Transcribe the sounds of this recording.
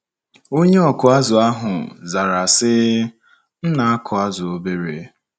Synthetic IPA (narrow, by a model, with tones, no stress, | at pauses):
o˦ɲe˦ɔ˨kʊ˨a˦zʊ˨a˦ɦʊ˨za˨ɾa˨sɪ˦ | n̩˦na˨a˦kʰʊ˨a˦zʊ˨o˦be˦ɾe˨˦